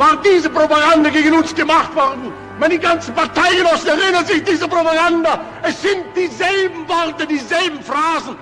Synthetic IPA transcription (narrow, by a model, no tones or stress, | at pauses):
vaːʁndiːzəpʁopaɡandɐɡeːɡənʊnstɡ̥əmaχtvɔʁdn̩ | mandiɡant͡sn̩paʁtaɪɡənɔsn̩ɛʁɪnɐzɪçd̥iːzəpʁopaɡandɐ | ɛsz̥ɪnt̚d̥iːzɛlbm̩vɔʁtədiːzɛlbm̩fʁaːzn̩